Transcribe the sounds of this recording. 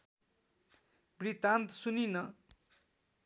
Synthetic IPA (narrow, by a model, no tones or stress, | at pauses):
brit̪ãnt̪suninʌ